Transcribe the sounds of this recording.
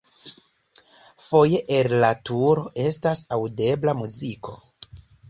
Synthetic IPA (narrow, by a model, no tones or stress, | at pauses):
fo̞je̞ʔellatuɾo̞ʔe̞stasawde̞blamuziko̞